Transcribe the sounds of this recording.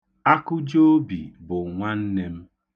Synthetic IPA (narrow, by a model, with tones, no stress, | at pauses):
a˦kʊ˦d͡ʒo˦bḭ˨bʊ˨ŋʷa˦n̩˦ne˦m̩˦